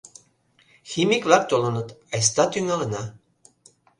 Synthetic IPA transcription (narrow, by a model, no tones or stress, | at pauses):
ximikvæk̚t̪olɤ̆nɤ̆t̪ɑjs̬t̪ɑt̪yŋɑlɤ̆nɑ